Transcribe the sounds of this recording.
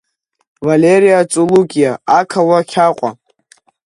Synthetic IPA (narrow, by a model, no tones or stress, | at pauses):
valeɾijat͡sʼulukʲʼijaakʰawakʲʰaqʷʼa̰